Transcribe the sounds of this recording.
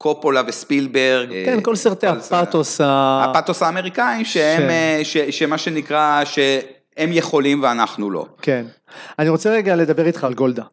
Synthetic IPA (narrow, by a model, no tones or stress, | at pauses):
kʰopolavespilbeʁɡkenko̞lsiʁt̪eapat̪osaapat̪osaːmeʁikaimʃeemʃeʃemaʃenikʁaʃe | emjeχo̞limveanaχnulo̞̰ken | aniʁo̞t͡seʁeɡale̞d̪abe̞ʁit̪χalɡold̪a